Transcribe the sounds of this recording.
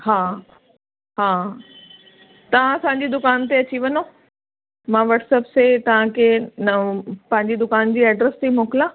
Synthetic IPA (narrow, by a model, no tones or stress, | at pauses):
ɦaː | ɦaː | t̪ɐʋ̤ãɐsãːɲ̆d͡ʑid̪ʊkaːnt̪̬eɐt͡ɕiʋɐno | mãʋɐʈsəpset̪ɐʋ̤ãkʰe | pɐ̃ɦɪ̃ɲd͡ʑid̪ʊkaːnd͡ʑiːɛːɖɾəst̪ʰimoːkɪlãː